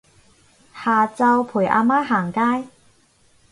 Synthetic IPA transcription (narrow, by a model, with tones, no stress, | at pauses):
haː˨t͡sɐ˧wpʰuː˨˩jʔa̰ː˧maː˥ɦaː˨˩ŋkaː˥j